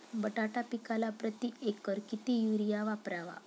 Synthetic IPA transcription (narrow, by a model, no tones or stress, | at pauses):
bəʈaʈapikalapɾət̪iekəɾkit̪ijuɾijaʋapɾaʋa̰